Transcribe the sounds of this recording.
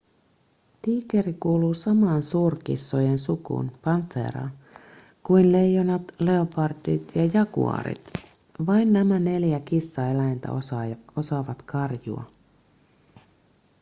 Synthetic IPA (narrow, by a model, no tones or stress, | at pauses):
t̪iːkeɾikuːluːsɑmɑːnsuːrkḭsːojensukṵːnpɑnθḛːɾɑ̰ː | kuinle̞jːonɑt̪leopɑrt̪it̪jɑjɑkṵɑ̰ɾḭt̪ | ʋɑjnːæmæne̞ljækisːɑelæjnt̪æ̰osɑo̞sɑːʋɑt̪kɑrjṵɑ̰